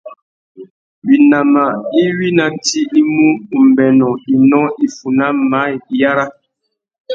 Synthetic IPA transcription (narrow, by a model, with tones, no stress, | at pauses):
wi˨na˨ma˨i˦wi˦na˨n̩˦ti˦i˦mu˦˨m̩˨bɛ˨nɔ˨i˨nɔ̃˦i˦fu˨na˦ma˨˦jja˦ɾa˦